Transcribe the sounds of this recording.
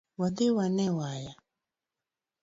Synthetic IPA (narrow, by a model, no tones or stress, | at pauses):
wadewanɛwaja